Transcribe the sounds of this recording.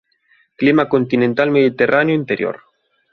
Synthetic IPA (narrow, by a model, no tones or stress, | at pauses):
klimakont̪inẽnt̪almeðit̪erʔanjoint̪eɾjo̰ɾ